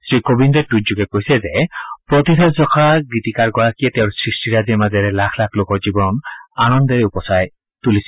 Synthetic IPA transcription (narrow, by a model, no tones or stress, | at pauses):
sɹikobindɔtutd͡ʒuɡɛkoɦisɛzepɹɔt̪it̪ʰazɔkʰaɡɹit̪ikaɹɡɔɹakijɛt̪ɛʊ̃ɹsɹisʈiɾazɛmazɛɾɛlakʰlakʰlokɔɹzibɔnɔnanɔnd̪eɾupɔsaj | t̪ulisi